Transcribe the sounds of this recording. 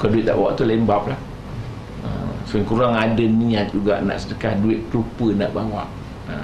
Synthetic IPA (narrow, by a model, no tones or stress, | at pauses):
ukaduɪt̪̚na̰ʔbawa̰ʔt̪ulɛmbap̚lah | ə̰səəŋkuɾaŋadənĩat̪̚d͡ʒuɡa̰ʔna̰ʔsədəkahduɪt̪̚klupəna̰ʔbawa̰ʔ | ə